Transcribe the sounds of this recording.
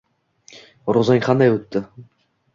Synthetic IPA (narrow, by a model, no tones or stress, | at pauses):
ɾozaŋʲqʰɑnd̪ajɵt̪ːɪ